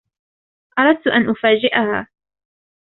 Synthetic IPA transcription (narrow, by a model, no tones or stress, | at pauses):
ʔɑɾˤɑd̪̚t̪ʊʔanʔʊfaːd͡ʒɪʔaha̰ː